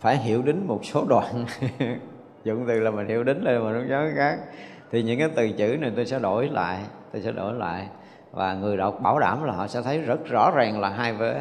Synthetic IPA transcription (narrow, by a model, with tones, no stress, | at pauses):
faː˧˩jɦi˧˨əwɗi˨˦ŋ̟mo˨˩t̚so˨˦ɗwa̰ː˧˨n | zʊ̰˧˨ŋ͡mt̪ɨ˨˩laː˨˩mi˨˩nhḭ˧˩əwɗï˨˦ŋ̟lə˧ma˨˩nʊ˧˦zɔ˨˦xaː˦˥k̚t̪ʰi˨˩ɲɨ̰˧˥ŋkaː˨˦jt̪ɨ˨˩t͡ɕɨ̰˧˥na˧˨˩jt̪o˧jsɛ̰˧˥ɗo˧˩jla̰ː˧˨jt̪o˧jsɛ̰˧˥ɗo̰˧˩jla̰ː˧˨jʔ | vaː˨˩ŋɨ˨˩əjɗə˨˩wk͡p̚ɓaː˧˩wɗaː˧˩mlaː˨˩ɦɔ̰˧˨sɛ̰˧˥t̪ʰə˨˦jzə˦˥t̚zɔ̰˧˥zaː˨˩ŋlaː˨˩ɦaː˧jvəː˨˦